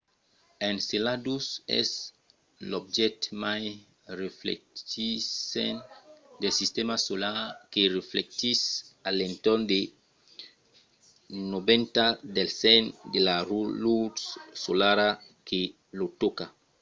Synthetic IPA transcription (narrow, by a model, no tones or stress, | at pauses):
ẽnselad̪usɛ̰s | lobd͡ʒɛt̪maj | reflḛkt̪isḛnd̪elsist̪emasolaɾkereflek̚t̪isalẽnt̪ɔɾnd̪e | nobẽnt̪ad̪elsɛnd̪elarulusolaɾa | kʰe | lot̪ɔka